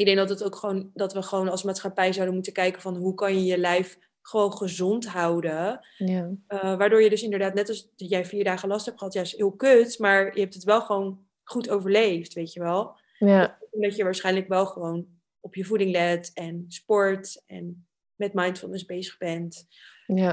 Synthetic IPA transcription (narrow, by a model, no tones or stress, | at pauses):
ɪɡ̚dɛŋɡ̚dɑtɑtowkχəʋowndɑtʋəχəʋownɑlˠsmaːtsχapɛjzawdənmutəkɛjkəvɑnɦukɑnjəjəlɛjf | χəʋownχəzɔntɦɑwdə | ʋaːɹdʊːɹjədɵsɪndəɹdaːtnɛtɑsdjɛjfiːɹdaːχəlɑstɦɛptχəɦɑtjaːɪsɦɪːlˠkøtmaːɹjəɦɛp̚tətʋɛlˠχəʋown | χutowvəɹlejftʋejtəʋɛlˠ | ndɑtjəʋaːɹsχɛjnləkʋɛlˠχəʋown | ɔpjəvudɪŋlɛtɛnspɔɹtɛ̰n | mɛtmɑjntfɪlˠnəzbejzəχbɛnt